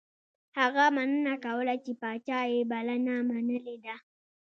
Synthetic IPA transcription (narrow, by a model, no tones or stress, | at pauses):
haɣamanənakaolat͡ʃipat͡ʃaebalanamanəleda